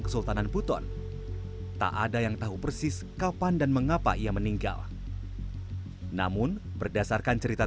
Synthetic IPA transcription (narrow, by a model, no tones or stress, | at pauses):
ŋkə̥sult̪ananput̪ɔ̰n | t̪a̰ʔadajaŋt̪aɦupərsɪs | kapandanməŋapa̰ijaməniŋɡa̰l | na̰mʊnbərdasarkant͡ʃəɾit̪a